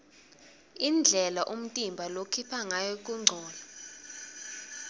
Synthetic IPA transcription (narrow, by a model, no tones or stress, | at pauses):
ind͡ɮʱɛlaʔum̩tʼimbʱalokʰipʰaŋajɔk̬ʼuŋ͡ǀʱɔːla